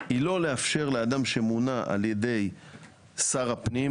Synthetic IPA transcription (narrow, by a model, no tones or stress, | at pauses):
ilo̞leafʃe̞ʁlead̪amʃe̞munaʔa̰lje̞d̪e̞j | saʁapni